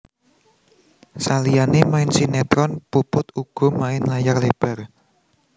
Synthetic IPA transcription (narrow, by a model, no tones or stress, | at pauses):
salijanemaɪnsinɛt̪ɾɔnpupʊt̪uɡ̥ɔ̤maɪnlajarleb̥ɛ̤r